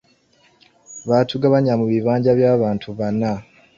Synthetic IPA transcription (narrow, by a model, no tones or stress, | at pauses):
βaːtʰuɡaβaɲamuβiβaːɲɟaβjaːβaːntʰuβana